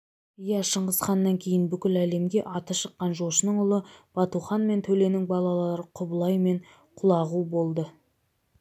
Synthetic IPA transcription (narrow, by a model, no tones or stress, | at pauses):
jɑʃəɴʁəzχɑnːɑŋkʲʰe̞jɪnbʏkʲɪlæle̞mɡʲe̞ʔɑt̪əʃəqːɑnʒo̞ʃənəɴʊlˠəb̥ɑt̪uχɑnme̞nt̪ʰɵle̞nɪŋbɑlˠɑlˠɑɾəqʰʊbəlˠɑjme̞ɴ | qʰʊlˠɑʁubo̞lˠd̪ə